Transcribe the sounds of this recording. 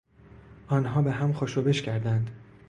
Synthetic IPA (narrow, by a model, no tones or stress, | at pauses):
ʔɒːnɦɒːbeɦæmxoːʃoːbeʃcʰæɾd̪ænd̪